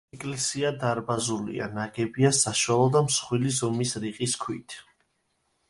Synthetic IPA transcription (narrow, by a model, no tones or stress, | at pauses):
kʼlɛsiad̪aɾbazulḭa̰naɡɛbiasaʃwalˠɔd̪amsχwilizɔmisɾiqʼiskʰwḭt̪ʰ